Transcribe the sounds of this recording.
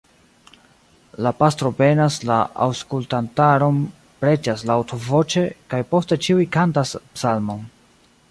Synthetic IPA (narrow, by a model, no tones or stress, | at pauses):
lapastɾo̞ve̞naslaa̰wskultantaɾo̞n | pɾe̞d͡ʒaslawtʰo̞vo̞t͡ʃe̞kajpo̞ste̞t͡ʃiujkantaspsalmo̞n